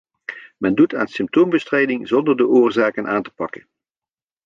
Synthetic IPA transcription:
mɛnduta̰ːnsɪmp̚towmbəstrejdɪŋzɔndəɹdəʔʊːɹzaːkənʔaːntə̥pɑkən

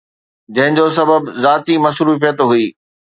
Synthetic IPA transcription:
d͡ʑɐ̃ɦɪ̃d͡ʑosɐbəbzaːt̪imɐsɾuːfijət̪ɦuiː

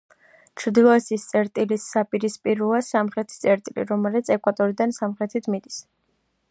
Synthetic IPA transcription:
t͡ʃʰɾd̪ilˠɔɛsist̪sʼɛɾt̪ʼilisːapʼiɾispʼiɾuasamχɾɛt̪ʰi̥t̪sʼɛɾt̪ʼilḭɾɔmɛlɛt̪sʰɛkʼwat̪ʼɔɾid̪ansamχɾɛt̪ʰit̪ʰmid̪is

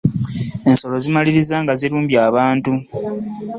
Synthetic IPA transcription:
e̞nso̞lo̞zimaliɾizaːŋɡaziɾuːmbjaːβaːntu

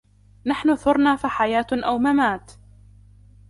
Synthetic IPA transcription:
naħnʊθʊɾˤnaːfaħajaːt̪ʔawmamaːt̪

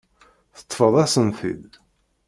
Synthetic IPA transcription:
θə̥t̪ˤːfəðˤæsənθḭð

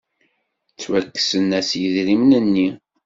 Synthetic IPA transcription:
t͡sːwækːə̥sənːæsjəðɾimnənːi

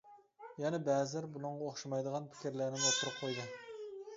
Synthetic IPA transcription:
jɛnɛbɛːzɪlɪɾbunɨŋʁɑoχʃɑmɑjd̪əʁɑnpʰɪ̥kʲiɾlæɾnɪmot̪ʰːʊɾɨp̚qʰojd̪ɨ

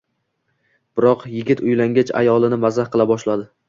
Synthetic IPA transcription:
b̥ɪɾɒqjɪɡʲɪt̪ʊjlaŋɡʲat͡ʃʰa̰jɒlˠɪnɪmazahqɨlˠabɒʃlad̪ɪ

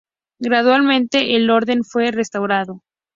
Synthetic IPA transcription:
ɡɾaðwalmẽ̞nt̪e̞ʔelo̞ɾðe̞nfwe̞rest̪awɾaðo̞

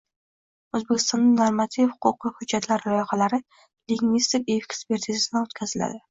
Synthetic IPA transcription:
ɵzbekʲɪ̥st̪ɒnːɪnoɾmat̪ʰivhʊ̥qʰʊqːɨhʊd͡ʒːat̪ʰlaɾalɒjχalaɾɪ | liŋɡvist̪ikʲekkspe̞ɾt̪ʰizad̪anot̪kʲʰazɪla̰d̪ɪ

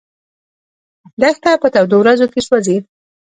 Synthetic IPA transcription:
d̪axt̪apət̪awd̪owɾazokeʃwazed̪

